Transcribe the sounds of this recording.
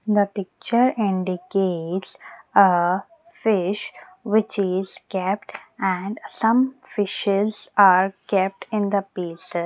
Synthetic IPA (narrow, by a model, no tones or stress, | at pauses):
d̪əpɪk̚t͡ʃəɾɪ̃ɳɖɪkeːʈsə | fɪʃ | ʋɪt͡ʃɪz̥kɛp̚ʈæ̃ɳɖsʌ̃mfɪʃɪzaːɾkɛp̚ʈɪ̃nd̪əpiːse